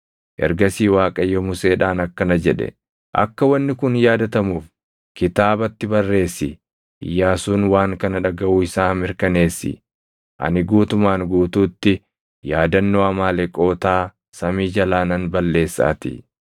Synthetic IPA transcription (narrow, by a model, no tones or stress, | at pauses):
ʔɛ̰ɾɡɐsiːwaːkʼɐjːɔmʊse̞ːᶑaːnɐkːɐnɐd͡ʒɛᶑɛ̰ | ʔɐ̰kːɐwɐnːɪkʊnjaːd̪ɐt̪ɐmuːf | kɪt̪aːbɐt̪ːɪbɐrːe̞ːsːɪ | ɪ̰jːaːsuːnwaːŋkɐnɐᶑɐɡɐʔuːɪsaːmɪɾkɐne̞ːsːɪ̰ | ʔɐ̰nɪɡuːt̪ʊmaːŋɡuːt̪uːt̪ːɪ | jaːd̪ɐnːoːɐmaːlɛkʼo̞ːt̪aː | sɐmiːd͡ʒɐlaːnɐnbɐlːe̞ːsːa̰ːt̪ɪ̰